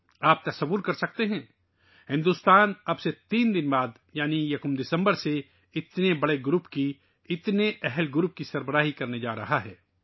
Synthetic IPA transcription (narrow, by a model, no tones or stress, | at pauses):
aːp̚t̪ɐsɐʋːʊɾkɐɾsɐk̚t̪eɦɛ̃ː | hɪ̃nd̪ust̪aːnɐbset̪iːnd̪ɪnbaːd̪ | jaːnijɐkʊmd̪ɪsə̃mbəɾse | ɪt̪nebɐɽeɡɾʊpki | ɪt̪neʔɛɦɛlɡʊɾʊp̚kisɐɾbəɾaːɦikɐɾned͡ʒaːɾɐ̰ɦaɦɛː